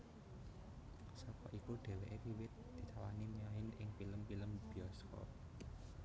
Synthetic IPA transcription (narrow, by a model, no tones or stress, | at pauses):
sɔkɔʔikuɖ̪̥e̤weʔeɾiwɪt̪̚d̪̥i̤t̪awanimijaɦɪnʔɪŋpiləmpiləmb̥iɔskɔ̰r